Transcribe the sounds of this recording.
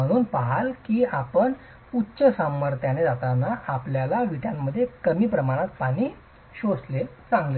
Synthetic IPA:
əɽ̃uːnpaɦalkiːapəɳ | utːt͡ɕəsamːəɾt̪janed͡zat̪anaʔapljalaʋiʈjamːəd̪ʱːjekəmiːpɾəmaɽ̃at̪̚paɽ̃iː | ɕosle | t͡sãŋɡle

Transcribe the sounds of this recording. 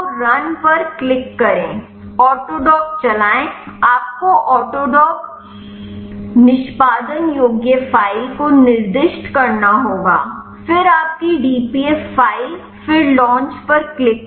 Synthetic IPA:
ɾɐnpɐɾklɪkːɐɾẽː | ɔːʈoːɖɔːk̚t͡ʃɐlaːẽaːp̚koʔɔːʈoːɖɔːk | nɪʃpaːd̪ənjoːɡjəfaːikonɪɾd̪ɪʃʈkɐɾnaɦoːɡa̰ː | fɪɾaːp̚kiɖiːpieːfːaːi | fɪɾlɔ̃ːnt͡ʃpɐɾklɪk

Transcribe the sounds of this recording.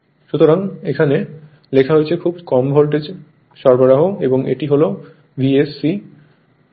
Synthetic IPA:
ʃut̪oɾaŋekʰane | lekʰaɦoet͡ɕʰekʰubkɔmbʱolʈed͡ʑ | ʃɔɾbaɾaɦoeboŋḛʈiɦolo | bʱiesːi

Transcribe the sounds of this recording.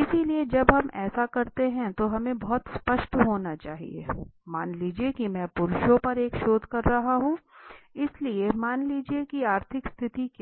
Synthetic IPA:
ɪsilied͡ʒɐbɦɐmɛːsakɐɾt̪eɦɛ̃t̪oɦɐmẽbɐɦʊt̪spɐʃʈɦoːnat͡ʃaːɦḭḛːmaːnliːd͡ʒiekimɛ̃ːpʊɾʊʃõpɐɾeːkʃoːd̪ʱkɐɾːɐɦaɦũɪsliemaːnliːd͡ʒiekiaːɾt̪ʰɪkst̪ʰɪt̪ik

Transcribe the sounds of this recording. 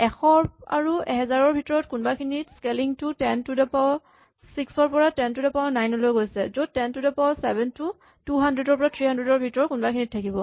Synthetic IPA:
ɛxɔa̰ɹuɛɦɛzaɹɔɹbʱitɔɹɔtkunbakʰiniskeliŋtutɛntudɛpa | siksɔɹpɔɹatɛntudɛpanajnɔlojɡojsɛzotɛntudɛpawsɛbɛntu | tuɦandɹɛdɔɹpɔɹatʰɹihandɹɛdɔɹbʱitɔɹɔtkunbakʰinitʰːakibɔ

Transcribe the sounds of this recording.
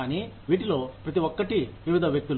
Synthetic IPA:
aːniːʋiːʈ̬ilo̞ːpɾɐt̪iʋɔkːɐʈiʋiʋid̪ʱɐʋjɐk̚t̪ul

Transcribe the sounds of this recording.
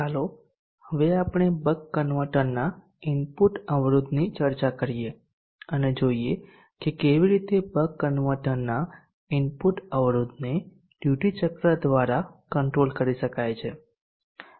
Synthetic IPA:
ɦəlo | həʋeapɳ̃ebəkːənʋəʈənnːa | ɪnpuʈəʋɾud̪nit͡ʃəɾt͡ʃakəɾije | əned͡ʒoie | kekeʋiɾit̪ebəkːənʋəʈənnːa | ɪnpuʈəʋɾud̪ne | ɖ̥juʈit͡ʃəkɾad̪ʋaɾakəɳʈɾolkəɾiʃəkajt͡ʃʰe

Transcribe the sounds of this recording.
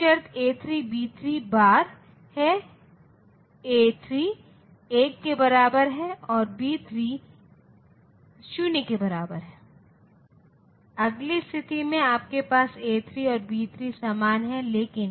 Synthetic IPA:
ʃɐɾt̪eːt̪ʰɾibiːt̪ʰɾibaːɾ | hɛ | eːt̪ʰɾi | eːkːebɐɾaːbəɾɦɛɔːɾbiːt̪ʰɾi | ʃʊnekebɐɾaːbəɾɦɛː | ɐɡlist̪ʰɪt̪imẽaːp̚kepaːseːt̪ʰɾiɔːɾbiːt̪ʰɾisaːmaːnɦɛleːkɪn

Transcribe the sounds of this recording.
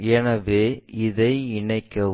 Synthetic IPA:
ɛnɐʋeːɪðɐɪɪɳɐɪkːɐ

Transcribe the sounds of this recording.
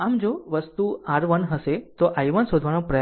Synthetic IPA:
amd͡ʒoʋəst̪uaɾʋənɦəset̪oʔajʋənsod̪ʱʋanõpɾəj

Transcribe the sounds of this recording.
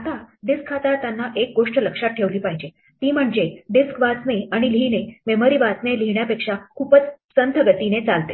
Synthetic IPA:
at̪aɖiskʰːat̪aɾt̪janːaʔek̚ɡoʂʈləkʂat̪̚ʈʰːeʋliːpaɦid͡ʑe | t̪iːm̤əɳd͡ʑeɖiskʋasneaɽ̃ilinememoɾiʋasneliɳjapekʂakʰuːpət͡ssənt̪ʰəɡət̪inet͡salt̪e

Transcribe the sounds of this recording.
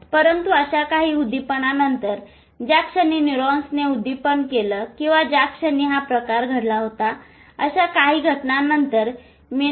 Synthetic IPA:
pəɾənt̪uəɕakaɦiːud̪ʱipəɳanənt̪əɾ | d͡ʑjakʂəniːniɾɔ̃nsneud̪ipəɳkeləkĩw̃ʋad͡ʑakʂəniːɦapɾəkaɾɡʱəɽlaɦot̪a | əɕakaɦiːɡʱəʈnanənt̪əɾ | mi

